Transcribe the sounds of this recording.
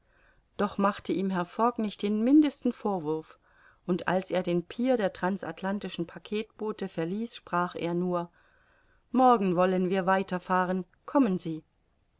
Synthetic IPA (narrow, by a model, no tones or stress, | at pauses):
d̥ɔχmaχtəʔiːmɦɛɐfɔknɪçt̚d̥eːnmɪndəstn̩foːɐvʊɐf | ʔʊntʔa̰lsʔeːɐdeːnpʰiːɐdeːɐtʁ̥ansa̰tʰlantɪʃn̩pʰakʰeːtb̥oːtəfɛɐliːsʃpʁ̥aːχʔḛːɐnuːɐ | mɔɐɡŋ̩vɔlənviːɐvaɪtɐfaːʁən | kʰɔmənziː